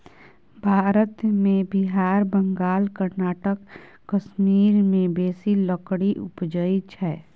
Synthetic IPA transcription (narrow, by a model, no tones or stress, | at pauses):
bʱaːɾət̪mẽbɪɦaːɾbə̃ŋɡaːlkəɾnaːʈəkː | əʃmiːɾmẽbeːsiləkɽiʔʊpd͡ʒəit͡ʃʰɛː